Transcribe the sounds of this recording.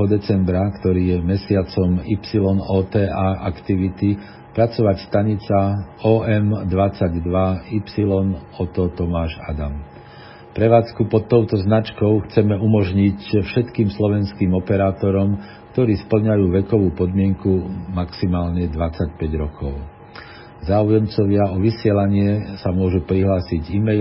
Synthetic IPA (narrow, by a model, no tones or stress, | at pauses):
ɔd̪ɛt͡sɛmbɾakt̪ɔɾiːjɛmɛsɪat͡sɔmipsilɔnɔːt̪ɛːʔaːʔakt̪iʋit̪i | pɾat͡sɔʋacst̪aɲit͡saɔːɛmd̪ʋat͡saɟd̪ʋaipsilɔnɔt̪ɔt̪ɔmaːʒa̰d̪am | pɾɛʋaːt͡skupɔt̪ːɔʊt̪ɔznat͡ʃkɔʊxt͡sɛmɛumɔʒɲicfʃɛt̪kiːmslɔʋɛnskiːmɔpɛɾaːt̪ɔɾɔm | kt̪ɔɾiːspl̩ɲajuːʋɛkɔʋuːpɔd̪mɪɛŋkumaksimaːlɲɛd̪ʋat͡sacpɛɟɾɔkɔʊ | zaːujɛmt͡sɔʋɪaɔʋisɪɛlaɲɪɛsamʊɔʒupɾiɦlaːsiɟimɛ